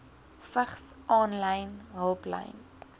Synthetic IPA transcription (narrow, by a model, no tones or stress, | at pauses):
fəχsʔɑːnlɐjnɦəlˠplɐ̰jn